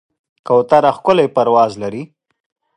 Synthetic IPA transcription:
kawt̪aɾaxkʊlajpaɾwɑːzlaɾi

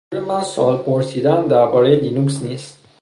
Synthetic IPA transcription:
ɾemasɒ̰lpʰoɾsid̪and̪æɾbɒɾed̪inuksnist̪̚

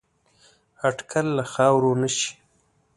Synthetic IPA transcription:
aɖkʰalːaxɑwɾonəʃi̥

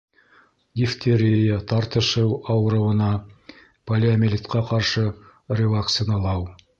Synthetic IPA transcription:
jʲɪft̪ʲʰeɾʲɪjət̪ɑɾt̪ɤ̆ʃɤwɑwɤ̆ɾɤ̆wɤ̆nɑ | pɐlʲɪɐmʲɪlʲit̪qɑqɑɾʃɤ | rʲɪvɐkt̪sɪnɑlˠɑw

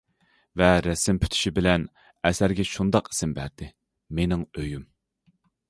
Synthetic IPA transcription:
vɛɾɛsɪmpʰy̥t̪ʰy̥ʃibɪlɛn | ɛsæɾɡʲɛʃund̪ɑqi̥sɪmbæɾd̪̥ɪ | menɪŋøjym

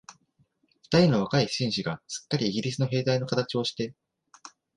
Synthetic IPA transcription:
ɸɯ̟̥t̪aɾʲino̞βakaiɕĩɰ̃ɕiɡasɨ̥kːaɾʲiːɡʲiɾʲisɨno̞ɦe̞ːd̪aino̞kat̪at͡ɕio̞ɕi̥t̪e̞

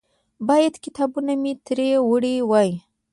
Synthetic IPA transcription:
bɑjad̪kɪt̪ɑbunamit̪ɾewəɽiwɑj

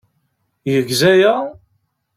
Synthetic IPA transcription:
jəʝzæjæ

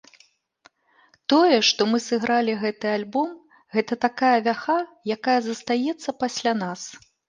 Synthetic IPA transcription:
t̪ɔjɛʂt̪ɔmɨsɨɣɾʔalʲiɣɛt̪ɨalʲbɔm | ɣɛt̪ɐt̪akajɐvʲaxajakajɐzɐst̪ajɛt̪sːɐpasʲlʲanas

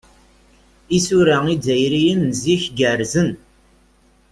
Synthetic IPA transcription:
isuɾæid͡zæjɾijənːziçɡəɾzən

